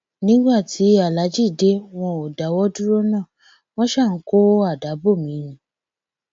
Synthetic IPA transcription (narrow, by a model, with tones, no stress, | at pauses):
nĩ˨˦ɡ͡ba˦˨ti˨˦a˨la˨˦d͡ʒi˦˨de˦w̃ɔ̃˧o˨da˨˦wɔ˦du˦ɾo˦nã˦˨ | w̃ɔ̃˦ʃa˦˨n̩˦ko˦a˦˨da˨˦bo˦˨mĩ˨˦nĩ˨˦